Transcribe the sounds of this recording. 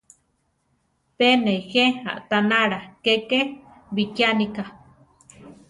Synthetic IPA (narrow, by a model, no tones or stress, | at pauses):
peneixea̰ʔt̪anaɾakeke | βikjanika